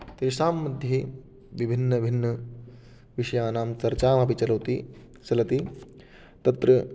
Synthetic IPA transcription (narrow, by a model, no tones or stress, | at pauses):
t̪eːʃaːmːɐd̪ʱje | ʋibʱinːɐbʱinːɐ | ʋiʂɐjaːnaːmt͡sɐɾt͡ʃaːmɐpit͡ʃɐlɐwt̪i | sɐlɐt̪i | t̪ɐt̪ɾɐ